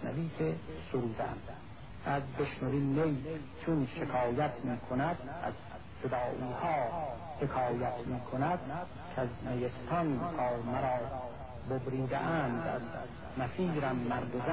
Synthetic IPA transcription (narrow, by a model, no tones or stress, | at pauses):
næ̰viːsesoɾuːd̪æ̰m | æzbeʃnoɾiːnːej | t͡ʃʰunʃekʰɒːjæt̪ʰmiːkʰonæd̪æ̰z | d͡ʒod̪ɒːʔiːhɒː | hekʰɒːjæt̪miːkʰonæd̪̥ | kʰæznejest̪ʰɒnkʰɒːɾmæɾɒː | bobɾiːd̪ḛʔæːnd̪æ̰z | mæfiːɾæmːæɾd̪ozæ